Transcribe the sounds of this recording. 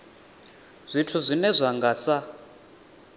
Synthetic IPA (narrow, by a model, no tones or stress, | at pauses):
z̥ʷitʰuzʷinɛzʷaŋɡasa